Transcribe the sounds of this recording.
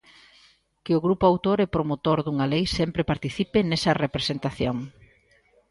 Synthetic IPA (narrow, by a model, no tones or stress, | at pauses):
kɪʊɣɾupʊawt̪oɾɛpɾomot̪oɾðuŋɐlejsɛmpɾepaɾt̪iθipɪnɛsɐrepɾesent̪aθjoŋ